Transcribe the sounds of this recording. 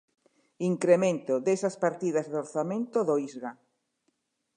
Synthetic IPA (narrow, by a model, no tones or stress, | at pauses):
iŋkɾemẽnt̪oðesaspaɾt̪iðazðoɾθamẽnt̪oðoizɣa